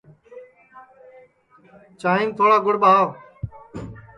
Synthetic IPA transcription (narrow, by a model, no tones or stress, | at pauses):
t͡ʃaːɦĩːnt̪ʰoːɽaːɡʊɽɓaː